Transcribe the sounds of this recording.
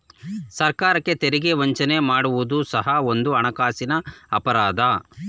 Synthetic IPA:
sɐɾkaːɾɐkːe̞t̪eɾiɡe̞ʋɐɲt͡ʃɐnemaːɽuʋud̪usɐɦɐo̞nd̪uɐɳɐkaːsinɐɐpɐɾaːd̪ʱɐ

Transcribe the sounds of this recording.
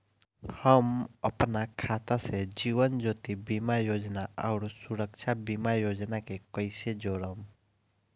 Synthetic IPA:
həməpnakʰat̪ased͡ʒiʋənd͡ʒot̪ibimajod͡ʒnaaʊɾsuɾəkt͡ʃʰabimajod͡ʒnakekəɪsed͡ʒoɾəm

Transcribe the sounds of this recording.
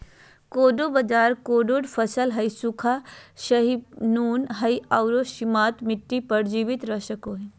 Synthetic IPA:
koːɖobɐd͡ʒaːɾkoːɖoɖpʰɐsəlɦɐjsukʰaʃɐɦibnuːnɦɐjɐwɾoʃimaːt̪mɪʈːipəɾd͡ʒiːʋit̪ɾɐʃəkoːɦi

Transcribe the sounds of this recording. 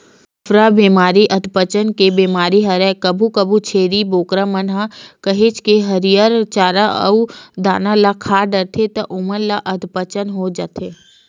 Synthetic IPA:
fʰɾabiːmaːɾiʔɐd̪pət͡ʃənkebiːmaːɾiɦɐɾɛkɐbʱukɐbut͡ʃʰeːɾiboːkɾamənɦakɐɦeːt͡ʃkeɦɐɾijaɾt͡ʃaːɾaʔɐ̰ud̪a̰ːnalakʰaːɖəɾt̪ʰet̪ɐʔʊmənlaʔɐd̪pət͡ʃənɦod͡ʒat̪ʰeː

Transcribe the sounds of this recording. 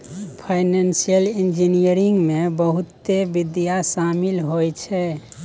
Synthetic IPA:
pʰajnensijəlind͡ʒinijəɾiŋɡmebəɦut̪ːebid̪ijasamilɦojt͡ʃʰɛ

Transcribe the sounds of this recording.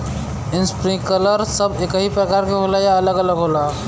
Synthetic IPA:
inspɾĩkələɾsəbekəɦipɾəkaɾkeɦolajaələɡələɡɦola

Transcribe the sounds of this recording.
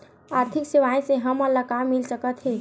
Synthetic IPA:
aːɾt̪ʰikseʋaːẽseɦəməlːakamːɪlsəkət̪ɦɛ̃ː

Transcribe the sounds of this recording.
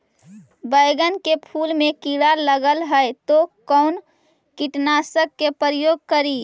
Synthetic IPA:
bəɪɡənkepʰuːlmẽkiɾaləɡəlɦəet̪okəʊn | kiʈnasəkːepəɾəjoːɡ̚kəɾi

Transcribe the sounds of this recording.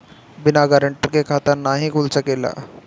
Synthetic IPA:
bɪnaɡaɾəɳʈəɾkekʰat̪anaɦikult͡səkela̰

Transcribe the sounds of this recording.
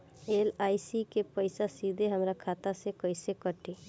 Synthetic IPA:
eːlaːisikepəɪsasid̪ʱeɦəmɾakʰaːt̪asekəɪsekəʈe

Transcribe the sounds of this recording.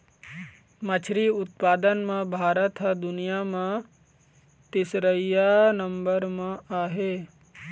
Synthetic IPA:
mət͡ʃʰɾiʊt̪̚paːd̪ənmãbʱaːɾət̪ɦɐd̪ʊnijamã | t̪ɪsɾəjanəmbəɾmãaːɦeː

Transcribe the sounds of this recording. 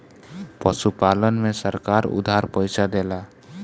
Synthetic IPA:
pəʃupaːlənmẽsəɾkaːɾʊ̰d̪ʱaɾpəɪsad̪ela

